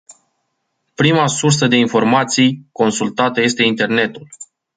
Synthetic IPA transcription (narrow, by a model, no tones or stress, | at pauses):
pɾimasursəd̪e̞info̞rmat̪sijko̞nsult̪at̪əje̞st̪e̞int̪e̞rne̞t̪ul